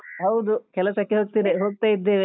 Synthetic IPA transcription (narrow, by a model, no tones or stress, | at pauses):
ɦɐwd̪ukɛlɐsɐkːeɦoːɡ̚t̪iːneɦoːɡ̚t̪aːjid̪ːeːʋe